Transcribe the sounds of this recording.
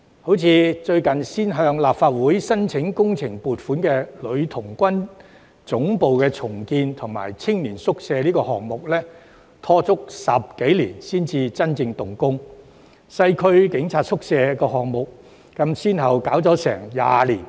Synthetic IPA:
ho˨˥wt͡sʰiː˨˧t͡ʃɵ˧ɥkɐ˨˩nsiː˥nɦœː˧ŋlaː˨p̚faː˧t̚wuː˨˥jsɐ˥nt͡sʰɪ˨˥ŋkʊ˥ŋt͡sʰɪ˨˩ŋpuː˨tfuː˨˥nkɛː˧lɵ˨˧ɥt̪ʰʊ˨˩ŋkʷɐ˥n | t͡sʊ˨˥ŋpo˨wkɛː˧t͡sʰʊ˨˩ŋkiː˧nt̪ʰʊ˨˩ŋma̰ː˨˩jt͡sʰɪ˥ŋliː˨˩nsʊ˥k̚sɛː˧liː˥kɔː˧hɔː˨ŋ̚mʊ˨k̚lɛː˥ | t̪ʰɔː˧˥t͡sʊ˥k̚sɐ˨p̚ke˨˥jliː˨˩nsiː˥nt͡siː˧t͡sɐ˥nt͡sɪ˧ŋt̪ʊ˨ŋkʊ˥ŋ | sɐ˧jkʰɵ˥˧ɥkɪ˨˥ŋt͡sʰaː˧t̚sʊ˥k̚sɛː˧kɔː˧ɦɔː˨ŋ̚mʊ˨k̚ː | ɐ˧msiː˥nɦɐ˨wkaː˨˥wt͡sɔː˨˥sɛ̰ː˨˩ŋja̰ː˧liː˨˩n

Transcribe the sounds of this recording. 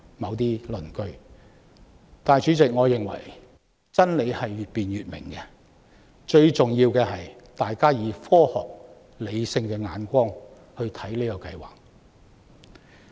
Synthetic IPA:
mɐ˨˧wt̪̬iː˥lɵ˨˩nkɵ˧ɥ | t̪aː˨˩jt͡ʃy˨˥t͡sɪ˨k̚ŋɔː˨˧jɪ˨ŋwɐ̰˨˩j | t͡sɐ˥nle˨˧jhɐ˨jɥyː˨t̚piː˨nɥyː˨t̚mɪ̰˨˩ŋkɛː˧ | t͡ʃɵ˧ɥt͡sʊ˨ŋjiː˧wkɛː˧hɐ˨j | t̪aː˨jkaː˥jiː˨˧fɔː˥hɔ̰ː˨k̚ | le˨˧jsɪ˧ŋkɛː˧ŋa̰ː˨˧nkʷɔː˥ŋ | hɵ˧t̪ʰɐ˨˥jli˥ɔ˧kɐ˧jwa̰ː˨˩k̚

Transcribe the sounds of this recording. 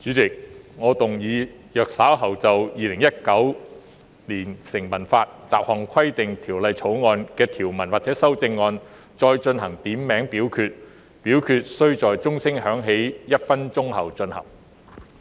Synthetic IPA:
t͡syː˨˥t͡sɪ˨k̚ŋɔː˨˧t̪ʊ˨ŋjiː˨˧ | jœː˨k̚saː˨˥wɦɐ˨wt͡sɐ˨wjiː˨˧lɪ˨˩ŋjɐ˥t̚kɐ˨˥w | liː˨˩nsɪ˨˩ŋmɐ˨˩nfaː˧t̚t͡sa̰ː˨p̚hɔː˨˩ŋkʷʰɐ˥jt̪ɪ˨ŋt̪ʰiː˨˩wlɐ˨˧jt͡sʰo˨˥wŋɔː˧nkɛː˧t̪ʰiː˨˩wmɐ˨˩nwaː˨k̚t͡sɛː˨˥sɐ˥wt͡sɪ˧ŋːɔː˧n | t͡ʃt͡sɔː˧jt͡ʃɵ˧nɦɐ˨˩ŋt̪iː˨˥mːɛː˨˥ŋpiː˨˥wkʰyː˧t̚ | piː˨˥wkʰyː˧t̚sɵ˥ɥt͡sɔː˨jt͡sʊ˥ŋsɪ˥ŋhœː˨˥ŋɦe˨˥jjɐ˥t̚fɐ˥nt͡sʊ˥ŋhɐ˨˩wt͡ʃɵ˧nhɐ̰˨˩ŋ

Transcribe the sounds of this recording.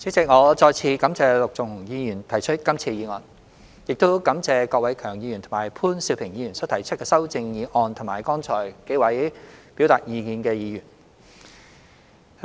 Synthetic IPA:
t͡siː˨˥t͡sɪ˨k̚ŋɔː˨˧t͡sɔː˧jt͡sʰiː˨˧kɐ˨˥mt͡sɛː˧lʊ˨k̚t͡sʊ˨˩ŋ˨ŋjiː˨˧jyː˨˩nt̪ʰɐ˨˩jt͡ʃʰɵ˥t̚kɐ˥mt͡sʰiː˧jiː˨˧ŋɔː˧n | jɪ˨k̚t̪o˥wkɐ˨˥mt͡sɛː˧kɔː˧k̚wɐ˨˥jkʰœː˨˩ŋjiː˨˧jy˨˩nt̪ʰʊ˨˩maː˨˩jpʰuː˥nsi˧wpʰɪ˨˩ŋjiː˨˧jy˨˩nsɔː˨˥t̪ʰɐ˨˩jt͡ʃʰt̚kɛː˧sɐ˥wt͡sɪ˧ŋjiː˨˧ʔɔː˧nt̪ʰʊ˨˩maː˨˩jkɔː˥ŋt͡sʰɔː˨˩jke˨˥jwɐ˨˥jpi˨˥wt̪aː˧˨t̚jiː˨˧kiː˧nkɛː˧jiː˨˧jyː˨˩n

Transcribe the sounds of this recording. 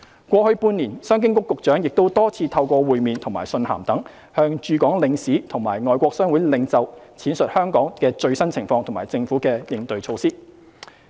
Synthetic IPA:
kʷɔː˧hɵ˧ɥpuː˧niː˨˩nsœː˥ŋk̬ɪ˥ŋkʊ˥kːʊ˨k̚t͡ʃœː˨˥ŋjɪ˨k̚t̪o˥wt̪ɔː˥t͡sʰiː˧t̪ʰɐ˧wkʷɔː˧wuː˨jmiː˨nt̪ʰʊ˨˩ŋmaː˨˩jsɵ˧nha̰ː˨˩mt̪ɐ˨˥ŋ | hœː˧ŋt͡ʃyː˨˧kɔː˨˥ŋlɪ˨˧ŋsiː˨˥t̪ʰʊ˨˩ŋmaː˨˩jŋɔː˨˧jkʷɔː˧k̚sœː˥ŋwuː˨˥jlɪ˨˧ŋt͡sɐ˨wt͡sʰiː˨˥nsɵ˨t̚hœː˥ŋkɔː˨˥ŋkɛː˧t͡ʃɵ˧ɥsɐ˥nt͡sʰɪ˨˩ŋfɔː˧ŋt̪ʰmaː˨˩jt͡sɪ˧ŋfu˨˥kɛː˧jɪ˨˧ŋt̪ɵ˧ɥt͡sʰo˧wsiː˥

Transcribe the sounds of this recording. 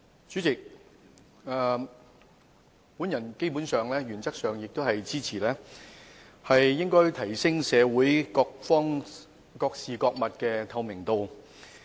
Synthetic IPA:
t͡syː˨˥t͡sɪ˨k̚ | ɛː˨˧ | puː˨˥njɐ˨˩nke˥jpu˨˥nsœː˨ŋlɛː˥ɥyː˨˩nt͡sɐ˥k̚sœː˨ŋjɪ˨k̚t̪o˥whɐ˨jt͡siː˥t͡sʰiː˨˩lɛː˥ | hɐ˨jːɪ˥ŋkɔː˥jt̪ʰɐ˨˩jsɪ˥ŋsɛː˨˧wuː˨˥jkɔː˧k̚fɔː˥ŋ | kɔː˧k̚siː˨kɔː˧k̚mɐ˨t̚kɛː˧t̪ʰɐ˧wmɪ˨˩ŋt̪o˨w

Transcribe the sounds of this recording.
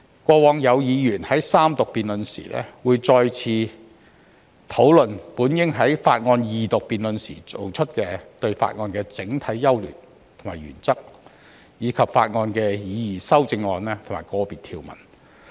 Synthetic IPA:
kʷɔː˧wɔː˧ŋjɐ˨˧wjiː˨˧jyː˨˩nhɐ˨˥jsaː˥mt̪ʊ˨k̚piː˨nlɵ˨nsḭː˨˩lɛ̰ː˥wuː˨˧jt͡sɔː˧jt͡sʰiː˧ | t̪ʰo˨˥wlɵ˨npuː˨˥njɪ˥ŋɦɐ˨˥jfa̰ː˧t̚ŋɔː˧njiː˨t̪ʊ˨k̚piː˨nlɵ˨nsḭː˨˩t͡so̰˨wt͡ʃʰɵ˥t̚kɛː˧t̪ɵ˧ɥfa̰ː˧t̚ŋɔː˧nkɛː˧t͡sɪ˨˥ŋt̪ʰɐ˨˥jːɐ˥wly̰˨˩n | t̪ʰo˨˩ŋmaː˨˩jɥy̰ː˨˩nt͡sɐ˥k̚ | jiː˨˧kʰɐ˨p̚fa̰ː˧t̚ŋɔː˧nkɛː˧jiː˨˧jiː˨˩sɐ˥wt͡sɪ˧ŋːɔː˧nɛː˥t̪ʰo˨˩ŋmaː˨˩jkɔː˧piː˨˩t̪ʰiː˧wmɐ̰˨˩n

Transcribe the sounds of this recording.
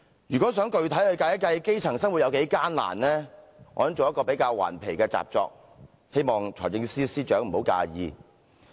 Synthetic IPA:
jyː˨˩kʷɔː˨˥sœː˨˥ŋkɵ˧ɥt̪ʰɐ˨˥jlɵ˨˧kaː˧jkɐ˧jke˥jt͡sʰɐ˨˩ŋsɐ˥ŋwu˨t̚jɐ˨˧wke˨˧˥jkaː˥nla̰ː˨˩nlɛː˥ʔɔ̰ː˨˥˩t͡soː˨wjɐ˥tkɔː˧pe˨˥jkaː˧wwa̰ː˨˩npʰe˨˩jkɛː˧t͡sa̰ː˨p̚t͡ʃɔ̰ː˧k̚ | he˥jmɔː˨ŋt͡ʃʰɔː˨˩jt͡sɪ˧ŋsiː˥siː˥t͡ʃœː˨˥ŋm̩˨˩ho˨˥wka̰ː˧jiː˨˧

